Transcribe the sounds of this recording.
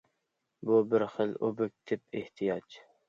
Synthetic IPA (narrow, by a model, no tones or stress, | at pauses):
bubɪɾχəlobɪk̚ʲt̪ʰɪp̚ʰeht̪ʰijɑd͡ʒ